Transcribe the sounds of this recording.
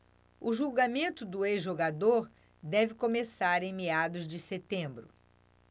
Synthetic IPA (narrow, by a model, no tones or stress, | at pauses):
ʊʒuwɡamẽnt̪ʊd̪ʊezʒoɡad̪oɾ | d̪ɛvɪkomesaɾẽj̃mead̪ʊzd͡ʒɪset̪ẽbɾʊ̰